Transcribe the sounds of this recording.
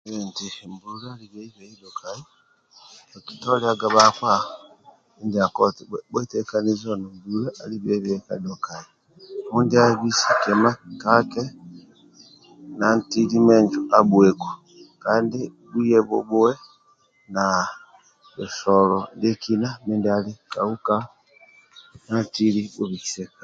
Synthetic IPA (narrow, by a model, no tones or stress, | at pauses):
βentimbuɾaaliβeiβeidokʰai | ki̥toliaɡaβakwa | indiakotibwotekanizonombuɾaʔaliβeβeka̰dokai | mundiaβisi̥kemakake | nantilimɛɲd͡ʒuabwɛko̥ | kaːnde | bujɛβo̰bowɛ | na | esɔlɔdekʰinamendialekauka | nantiɾiboβiki̥sɛkḁ